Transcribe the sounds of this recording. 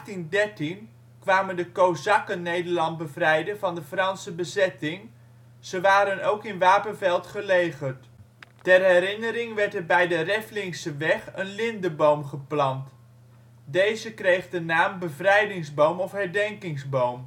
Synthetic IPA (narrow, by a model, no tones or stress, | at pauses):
χtindɛɹtin | kʋaːməndəkowzɑkənejdəɹlɑnt̚bəvrɛjdəvɑndəfrɑnsəbəzɛtɪŋ | z̥əʋaːɾənowkɪnʋaːpənvɛlˠtχəlejχəɹt | tɛrɦɛɾɪnəɾɪŋʋɛɹtɛɹbɛjdərɛflɪŋsəʋɛχənlɪndəbowmχəplɑnt | dejzəkrejχdənaːmbəvrɛjdɪŋzbowmɔfɦɛɹdɛŋkɪŋzbowm